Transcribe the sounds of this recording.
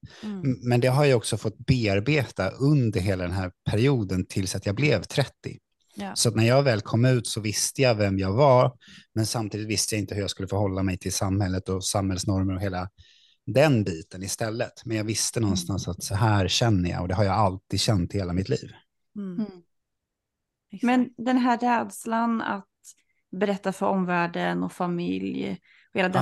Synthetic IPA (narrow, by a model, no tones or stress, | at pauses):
mɛnd̪ɛɦaɾjaɔksɔfɔt̪̚ːbeːaɾbeːt̪aʔɵnd̪əɾɦeːlad̪ɛnɦæːɾpʰæɾɪuːd̪ənt̪ʰɪlsat̪jɑːɡblɛvt̪ʰɾɛt̪ːɪ̰ | sɔat̪næɾjɑːɡvɛːlkʰɔmːʉ̟ːt̪sɔvɪst̪əjavɛmjɑːɡvamɛnsamt̪iːd̪ɪt̪vɪst̪əjaɪnt̪əhɵɾjaːskɵlːəfoːɦɔlːamɛjt̪ʰɪlsamhɛlːət̪ɔsamhɛlsnɔɾməɾɔɦeːla | d̪ɛnbiːt̪ənɪst̪ɛlːət̪mɛnjɑːɡvɪst̪ənɔnst̪ansat̪sɔɦæːɾɕɛnːəjɑ̰ɔd̪ɛɦaɾjaːalt̪iːd̪ɕɛnt̪ːheːlamɪt̪ʰlḭːv | mɛnd̪ɛnɦæɾɛːd̪slana̰t̪ | bɛɾɛt̪ːafœɾɔmvæːɖənɔfamɪ̰lj | ɔheːlad̪